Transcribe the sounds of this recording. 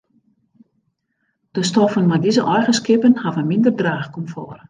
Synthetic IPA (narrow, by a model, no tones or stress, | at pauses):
d̥əstɔfənmadizəʔɔjɣəskɪpənhavənmɪndərdraːxkɔmfɔr